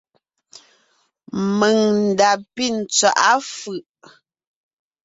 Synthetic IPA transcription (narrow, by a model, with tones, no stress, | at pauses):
mə˨ŋn̩˨da˨pi˦˨n̩˨t͡swa˨ʔa˦fʉ˨ʔ